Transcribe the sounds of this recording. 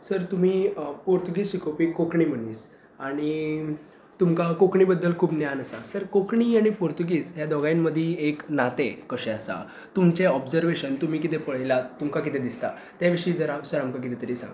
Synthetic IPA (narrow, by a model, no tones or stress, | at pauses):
səɾt̪um̤iːpoɾt̪uɡiːsɕikʰopikokɳiːm̤əɳiːs | aɽ̃i | t̪umkakokɳiːbəd̪ːəlkʰuːbnjanəsasəɾkokɳiaɽ̃ipoɾt̪uɡiːd͡zɦjad̪ɔɡajinməd̪ʱːieknat̪ekəɕɛəsa̰ | t̪umt͡ɕeɔbd͡zəɾʋeɕənt̪um̤iːkit̪epəɭ̤jlat̪umkak̬it̪ed̪ist̪a̰ | t̪jaʋiʂəiːd͡zəɾasəɾamkak̬it̪et̪əɾiːsa̰ŋɡ